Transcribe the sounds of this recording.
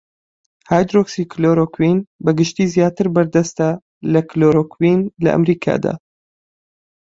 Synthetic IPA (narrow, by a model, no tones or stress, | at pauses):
haːjd̪ɾoksiːkʰloːɾoːkʰwinbɐɡɨʃt̪iːzjaːt̪ɨɾbɐɾd̪ɐst̪a | lɐkloːɾoːkʰwinlɐ̰ʔɐ̰mɾiːkʰa̰ːd̪a̰ː